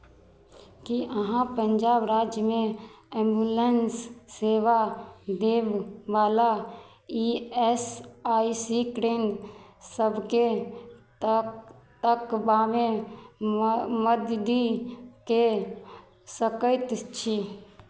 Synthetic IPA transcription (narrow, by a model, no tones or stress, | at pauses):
kiʔəɦãpəɲd͡ʒaːbɾaːd͡ʒjəmẽ | ẽmbulensːeːʋad̪eːbʋaːla | iɛsaːisikɾeːnsəbʱke | t̪əkbaːmẽ | məd̪d̪ike | səkəɪt̪t͡ʃʰi